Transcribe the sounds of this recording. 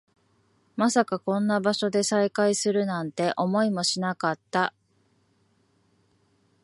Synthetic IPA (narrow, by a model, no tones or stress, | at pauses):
masakakõ̞nːabaɕo̞d̪e̞saikaisɨɾɯ̟nãnt̪e̞ʔo̞mo̞imo̞ɕinakat̪ːa